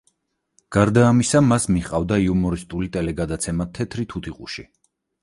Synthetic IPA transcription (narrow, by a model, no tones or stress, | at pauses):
ɡ̥aɾd̪aːmisamasmiχqʼavd̪aiumɔɾist̪ʼulit̪ʼɛlɛɡad̪at̪sʰɛmat̪ʰɛt̪ʰɾit̪ʰut̪ʰiqʼṵʃi